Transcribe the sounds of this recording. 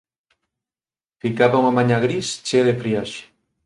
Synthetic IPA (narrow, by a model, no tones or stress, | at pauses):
fikaβauŋamaɲaɣɾist͡ʃeðefɾiaʃe̥